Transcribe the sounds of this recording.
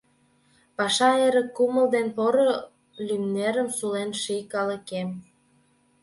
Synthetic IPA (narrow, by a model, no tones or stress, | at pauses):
pɑʃɑeɾə̆kːumə̆ld̪enpoɾo | lymneɾə̆msulenʃijkɑlə̆kem